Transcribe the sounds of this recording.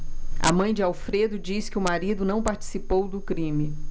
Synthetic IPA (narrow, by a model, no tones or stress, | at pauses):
ɐ̰mɐ̃j̃d͡ʒɪawfɾed̪ʊd͡ʒiskɪʊmaɾid̪ʊnɐ̃w̃paɾt͡ʃi̥sipowd̪ʊkɾĩmɪ